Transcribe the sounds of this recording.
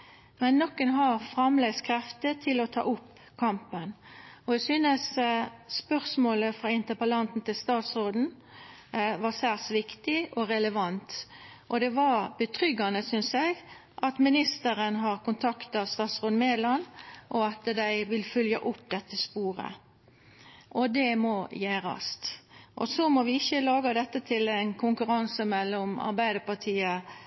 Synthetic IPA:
mɛnːɔkːənɦɑʁfɾɑmlɛɡskʰɾɛft̪ət̪ʰɪlɔt̪ʰɑ̰ːʔʊpː | kʰɑmpənɔɛsynəsspœʁsmoːləfɾɑːɪnt̪əpəlɑnt̪n̩t̪ɪlst̪ɑːt̪sʁoːd̪n̩ | ʋɑsæːʁsʋɪkt̪ɪɔɾɛləʋɑnt̪ | ʔɔd̪ɛʋɑɾb̥ət̪ʰʁʏɡɑnəsʏnsjɛɪɡ | ʔɑt̪mɪnɪst̪əɾənɦɑʁkʊnt̪ʰɑkt̪ɑst̪ɑːt̪sʁoːd̪n̩meːd̪lɑnʔɔɑt̪d̪æɪʋɪlfʏljɑ̰ʔʊpːd̪ɛt̪ːəspuːɾə̰ | ʔɔd̪ɛmɔjæːɾɑ̰st̪ʔɔsɔmɔʋɪɪçːəlɑːɡɑd̪ɛt̪ːət̪ʰɪlæɪnkʰʊŋkʉɾɑnsəmɛlːɔmɑ̰ɾbæɪd̪əpɑʁt̪ʰiːə

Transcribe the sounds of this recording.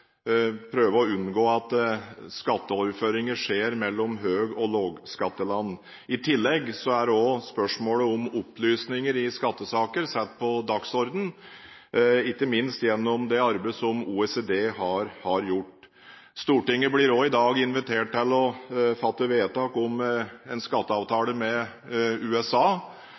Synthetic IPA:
pʰɾøːʋəɔʉnɡoːɑt̪skɑt̪ːəɔɾføːɾɪŋəʂeːɾmɛlːɔmɦøːɡɔloːɡskɑt̪ːəlɑnː | ɪt̪ʰɪlːɛɡsɔæɖɔspœʂmoːləɔmɔplyːsnɪŋəɾɪskɑt̪ːəsɑːkəɾsɛt̪̚ːpʰɔd̪ɑksɔɾd̪n̩ | ɪkːəmɪnst̪jɛnːɔmd̪ɛɑɾbəsɔmuːɛsed̪eːhɑɾhɑɾjʊʈː | st̪uːʈɪŋːəblɪɾɔɪd̪ɑːɡɪnʋɪt̪ʰeːʈ̚t̪ɪlːɔfɑt̪ːəʋeːt̪ɑːkɔmɛnskɑt̪ːəɑːʋt̪ʰɑːləmɛ | ʉːɛsɑː

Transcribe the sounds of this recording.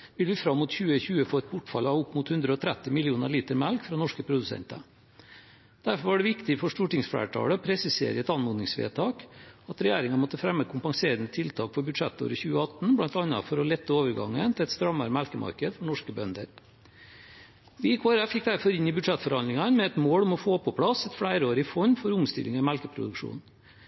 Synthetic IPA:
ʋɪlʋɪfɾɑmːʊt̪çʉːəçʉːəfoːɛt̪̚bʊʈfɑlɑːʋʊpːmʊt̪hʉnd̪ɾəɔt̪ʰɾɛt̪ːɪmɪlɪuːnəɾɭiːt̪əɾmælkfɾɑnɔʂkəpʰɾʊd̪ʉsɛ̰nt̪ɑ̰ | d̪̥æɾfɔɾʋɑɖɛʋɪkt̪ɪfɔʂʈuːʈɪŋsfɽæ̰ːʈʰɑ̰ːɽəɔpʰɾɛsɪsḛːɾəɛt̪ɑnmʊnnɪŋsʋḛːt̪ʰɑːkɑt̪ɾɛjæːɾɪŋɑmɔt̪ːəfɾɛmːəkʰʊmpɑŋseːɾənət̪ʰɪlt̪ʰɑːkfɔɾbʉd̪ʂɛt̪ːo̰ːɾəçʉːəɑt̪n̩blɑnt̪ɑnːɑ̰fɔɾɔlɛt̪ːəoːʋəɾɡɑ̰ŋːənt̪ʰɪɛt̪st̪ɾɑmɑɾmælkəmʔɑ̰ɾkəd̪fɔɳɔʂkəbœnd̪əɾ | dɪjɪkʰːoæɾæfɪk̚d̪æɾfɔɾɪnːɪbʉd̪ʂɛt̪fɔɾhɑnd̪ɪŋɑnmɛɛt̪moːɽɔmɔfoːpʰɔpʰɽɑsɛt̪fɽæɪɾəoːɾɪfɔɲːfɔɾʊmst̪ɪ̰lɪŋɑmælkəpʰɾʊ̰d̪ʉkʂṵːn

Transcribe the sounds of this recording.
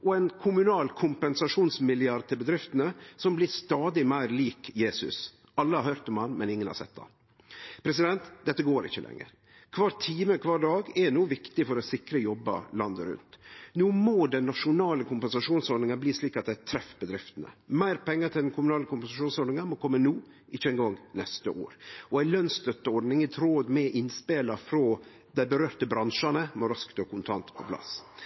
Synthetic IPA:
ʔɔɛnkʰʊmʉnɑːlkʰʊmpɛnsɑʂuːnsmɪlɪɑɾt̪ʰɪlbəd̪ɾɪft̪ənəsɔmblɪːst̪ɑːd̪ɪmæɪɾliːkjeːsʉ̰s | ɑlːəhɑɾhœːɾt̪ɔmhɑnmɛnɪŋːənhɑ̰ɾsɛ̰t̪̚ːd̪ɑ̰n | pʰɾɛs̬ɪd̪ɛnt̪d̪ɛt̪ːəɡoːɾɪ̰çːəlʔɛ̰ŋːə̰ɾ | kʰʋɑːɾt̪ʰiːməkʰʋɑːɾɖɑːɡɛnuːʋɪkt̪ɪfɔɾɔsɪkɾəjɔbːə̰lɑnd̪əɾʉ̰nt̪nuːmoːd̪ɛnːɑʂʊnɑːləkʰʊmpɛnsɑʂuːnsɔɖ̪nɪŋənbliːsliːkɑt̪̚d̪æt̪ʰɾɛfːbəd̪ɾɪft̪ənə̰mæɪɾpʰɛŋːəɾt̪ʰɪld̪ɛnkʊmʉnɑːləkʰʊmpɛnsɑʂuːnsɔɖnɪŋənmɔkʰɔmːənuː | ʔɪçːəɛŋɡɔŋnɛst̪əʔo̰ːɾɔæɪlœnst̪œt̪ːəɔɾɖ̪nɪŋæt̪ʰɾoːd̪mɛʔɪnspeːlɑfɾɔː | d̪æɪbəɾøːɾt̪əbɾɑnʂɑnəmɔɾɑskt̪oːkʰʊnt̪ʰɑnt̪pʰɔ̰pʰlɑ̰s

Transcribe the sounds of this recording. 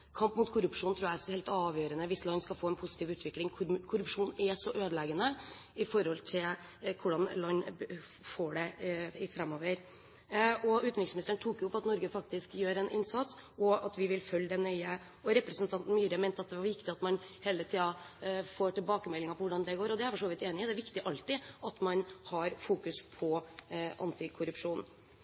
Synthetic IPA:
kʰɑmpmʊt̪kʰʊɾʉpʂuːnt̪ʰɾuːææhɛɪlt̪ɑːʋjøːɾənəʋɪslɑɲːskɑlfoːɛnpʰʊsɪ̥t̪iːʋʉːt̪ʋɪklɪŋkʰkʰʊɾʉpʂuːnɛsɔʔøːd̪əleːɡənəɪfɔɾɔlt̪ʰɪlkʰʊɖɑnlɑɲː | foːɖɛɪfɾɛmːoːʋəɾ | ʔɔʉːt̪nɪŋsmɪnɪst̪əɳ̩t̪ʰuːkjʊʊpːɑt̪nɔɾɡəfɑk̚t̪ɪskjøːɾɛnɪ̰nsɑt̪sɔɑt̪ʋɪʋɪlfœld̪ɛnœʏə | ɔɾɛpɾɛsnt̪ʰɑnt̪n̩myːɾəmɛɪnt̪əɑt̪̚d̪ɛʋɑʋɪkt̪ɪɑt̪mɑnheːlət̪ʰiːɑfoːʈɪlbɑːkəmɛlːɪŋɑpʰɔʋʊɖɑnd̪ɛɡoːɾɔd̪ɛæɾfɔʂoːʋɪt̪eːnɪd̪ɛæɾʋɪkt̪ɪʔɑlt̪ɪʔɑt̪mɑnhɑɾfuːkʉspʰɔʔɑ̰nt̪ɪkʰʊɾʉpʂuːn

